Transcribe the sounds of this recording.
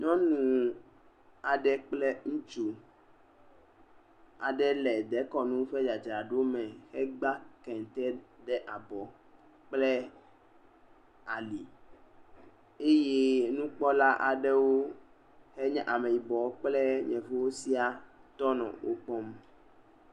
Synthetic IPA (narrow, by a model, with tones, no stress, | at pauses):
ɲɔ̃˦nũ˨ | a˨ɖɛ˦k͡plɛ˦ŋũ˦t͡ʃu˦ | a̰˨ɖɛ˦lɛ˨d̪ɛ˨˦kɔ˨nũ˦ɸɛ˦d͡ʒa˨d͡ʒɾa˨ɖo˦mɛ̃˨xɛ˦ɡ͡ba˦kɛ˨ŋ˨t̪ɛ˦d̪ɛ˦ʔa˨bɔ˨ | k͡plɛ˦ | a˨li˨ | e˦je˦nũ˦k͡pɔ˦la˦ʔa̰˨ɖɛ˦wo˦ | xɛ˦ɲɛ̃˦ʔa˨mɛ̃˨i˨bɔ˨o˦k͡plɛ˦ɲɛ̃˨vo˦wo˦si˦a˨t̪ɔ˦nɔ̰̃˨wʔo̰˦k͡pɔ˦m